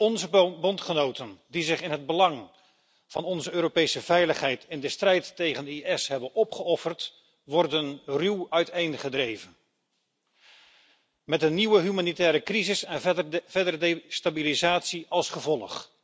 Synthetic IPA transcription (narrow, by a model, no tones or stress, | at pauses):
ɔnzəbɔntχənowtəndizɪχɪnɦəd̚bəlɑŋ | v̥ɑnɔnzəøːɾopejsəvɛjləχɦɛjtʰɪndəstrɛjtːejχəndəiɛsɦɛbənɔpχəɔfərt | ʋɔrdənrywœɥtejnχədrejvən | mɛtəniwəɦymaːnitɛːɾəkrizɪsɛnvɛdərdstabilizaːtsiʔɑlˠsχəvɔlˠə̰χ